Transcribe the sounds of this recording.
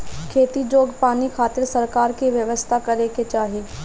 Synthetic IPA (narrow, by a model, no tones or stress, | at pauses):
kʰeːt̪id͡ʒoːɡpaːnikʰaːt̪ɪɾsɐɾkaːɾkiʋjɐʋəst̪ʰakɐɾeket͡ʃaːɦi